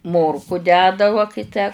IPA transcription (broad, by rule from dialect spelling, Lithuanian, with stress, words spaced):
ˈmoːrkʊ ˈdʲæːdɐ ʋɐ kɐɪ ˈtʲæː